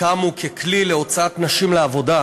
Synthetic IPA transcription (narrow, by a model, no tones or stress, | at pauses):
amukekʰlileo̞t͡saat̪naʃimleavo̞da